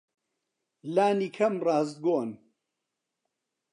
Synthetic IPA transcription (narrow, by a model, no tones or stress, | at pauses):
laːniːkʰɐmrɑːzd̪̚ɡoːn